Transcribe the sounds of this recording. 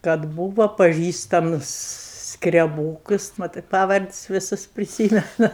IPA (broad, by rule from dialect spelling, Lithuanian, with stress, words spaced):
kɐt ˈbuːʋoː pɐˈʒʲiːstɐmʊs skrʲɛˈbuːkʊs ˈmɑːtɜ ˈpɑːʋɐrʲtʲsʲ ʋʲɪˈsʊs pʲrʲɪˈsʲiːmʲɛnʊ